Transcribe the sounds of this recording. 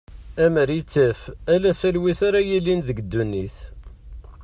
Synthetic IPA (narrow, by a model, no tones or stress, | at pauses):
æməɾit͡sːəfælæθælwiθaɾajilːinðəɡd̪ːunːiθ